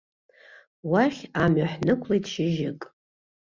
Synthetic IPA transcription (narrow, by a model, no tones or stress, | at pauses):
waχʲamaħnɨkʷʰlejtʃɪʒɪkʼ